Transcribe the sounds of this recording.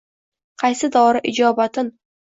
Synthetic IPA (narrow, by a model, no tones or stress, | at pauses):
qʰɑjsɪd̪ɒwɾɪʔɪd͡ʒɒbat̪ɪn